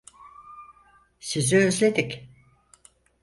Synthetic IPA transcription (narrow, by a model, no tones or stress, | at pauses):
siziøzlʲe̞d̪ik